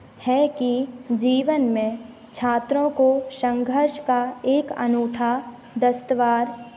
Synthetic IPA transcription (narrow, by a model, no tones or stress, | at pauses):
hɛkid͡ʒiːʋənmẽ | t͡ʃʰaːt̪ɾõkoʃə̃ŋɡʱəɾʃkaeːkɐ̰nuːʈʰa | d̪əst̪əʋaːɾ